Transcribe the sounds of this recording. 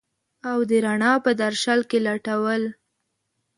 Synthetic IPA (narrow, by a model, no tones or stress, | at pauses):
awd̪əɾaɳɑpəd̪aɾʃalkelaʈawəl